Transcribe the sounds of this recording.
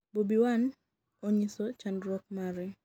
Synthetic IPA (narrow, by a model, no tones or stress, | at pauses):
bobiwan | oɲisɔt͡ʃandɾwɔk̚maɾɛ